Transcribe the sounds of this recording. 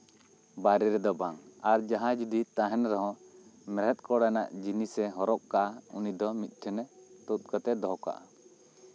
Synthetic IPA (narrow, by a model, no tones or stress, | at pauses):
baɾɛɾɛd̪ɔbaŋaɾd͡ʒaɦãd͡ʒud̪it̪aɦɛnɾɔɦɔ̃mɛɾɛt̪̚ˀkɔɽnaʔd͡ʒinisɛɦɔɾɔʔkaʔaṵnid̪ɔmit̪̚ˀʈʰɛnɛt̪ut̪̚kət̪ɛd̪ɔɦɔka̰ʔa̰